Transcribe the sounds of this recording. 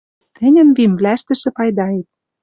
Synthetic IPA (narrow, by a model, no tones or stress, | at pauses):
t̪ɘ̆nʲɘ̆nβimvlæʃt̪ɘ̆ʃɘ̆pɑjd̪ɑet̪̚